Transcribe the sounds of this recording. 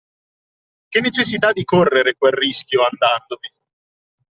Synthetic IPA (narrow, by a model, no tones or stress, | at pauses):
kenːet͡ʃes̬ːit̪ad̪ːikorːeɾekwelriskʲjoand̪and̪ovi